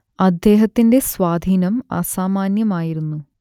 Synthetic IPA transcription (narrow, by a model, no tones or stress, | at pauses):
ɐd̪je̞ːɦɐt̪ːinde̞sʋaːd̪ʱiːnɐmɐ̰saːmaːnjɐmaːjiɾunːu